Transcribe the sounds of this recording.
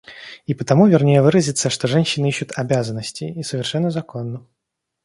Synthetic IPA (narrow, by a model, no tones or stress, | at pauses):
ipət̪ɐmuvʲɪrnʲejəvɨɾəzʲɪt̪səʂt̪o̞ʐɛnʲɕːɪnɨiɕːʊt̪ɐbʲazənːəsʲtʲɪ̰isəvʲɪrʂɛnːəzɐko̞nːɨ